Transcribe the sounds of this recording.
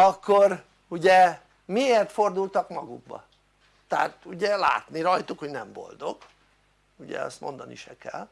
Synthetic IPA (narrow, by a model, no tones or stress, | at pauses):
ɒkːor | uɟɛ | mieːrt̪fo̞rd̪ult̪ɒkmɒɡuɡ̚bɒ̰ | t̪ɛɦa̰t̪uɟɛla̰ːt̪niɾɒjt̪ukhoɟnɛmbo̞̰ld̪o̞ɡ̥ | uɟɛ̰ɒ̰st̪mo̞̰nd̪ɒniʃɛkɛ̰l